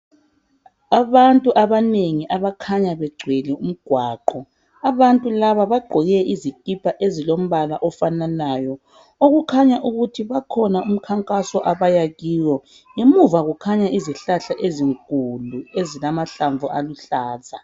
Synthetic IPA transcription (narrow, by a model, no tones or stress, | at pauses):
aβantʼuʔaβaneŋiʔaβakʰaɲaβɛɡ͡ǀʱwɛlɛum̩ɡ̥ʱwaːǃɔ | aβantʼulaβaβaɡ͡ǃʱɔɣɛʔizikʼipʰaʔezilom̩βalaʔɔfananaːjɔ | oɣukʰaɲaʔuɣutʰiβakʰɔnaum̩kʰaŋkʼasɔʔaβajaɣiwɔ | ŋemuvaɣukʰaɲaʔiziɬaɬaʔeziŋkʼuluezilamaɬaɱvuʔaluɬaːzʱa